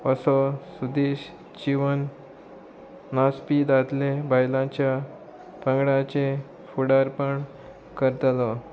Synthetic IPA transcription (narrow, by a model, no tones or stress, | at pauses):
əsɔsud̪eɕ | d͡ʑiʋən | aspid̪at̪lebajlãt͡ɕja | t̪ə̃ŋɡɽãt͡ɕe | fuɽaɾpəɳ | kəɾt̪lɔ